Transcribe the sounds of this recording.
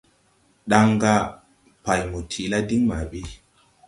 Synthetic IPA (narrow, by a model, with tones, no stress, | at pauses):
ɗa˦ŋɡa˦ | pa˨jmu˨tʰi˨la˦di˦ŋma˨ɓi˦